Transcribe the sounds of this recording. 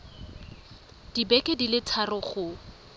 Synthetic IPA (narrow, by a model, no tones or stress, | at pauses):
d̥ibɛkʼedilɪtʰarʊχʊ